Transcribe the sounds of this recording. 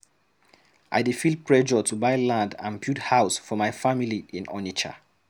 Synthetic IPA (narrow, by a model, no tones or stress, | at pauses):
ʔa̰ɪdefil̚pɹɛd͡ʒɔtʰubaɪlãndã̰npʰjuthaʊsfɔmaɪfamiliĩnɔ̰nit͡ʃa̰